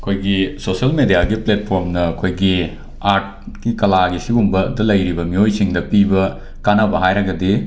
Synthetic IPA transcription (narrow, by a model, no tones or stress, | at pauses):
ɐkʰojɡisosɐlmedijaɡiplet̚pʰoɾmnɐːkʰojɡi | aɾt̚ | kikɐlaɡisibumbɐdɐlɐjɾibɐmiojsiŋdɐpibɐ | kanɐbɐɦajɾɐɡɐdi